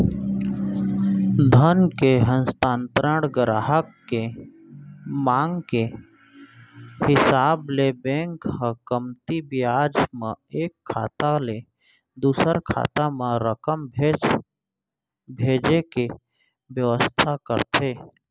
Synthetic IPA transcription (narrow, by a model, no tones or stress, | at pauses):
d̪ʱənkeɦə̃nst̪aːnt̪ɾəɽɡəɾaːɦəkːe | mãːŋɡke | hɪsaːblebɛ̃ːŋkhəkəmt̪ibɪjaːd͡ʒmãeːkʰːa̰ːt̪ale | d̪uːsəɾkʰa̰ːt̪amãɾəkəmbʱe | bʱeːd͡ʒeke | ʋjəʋəst̪ʰakə̰ɾt̪ʰeː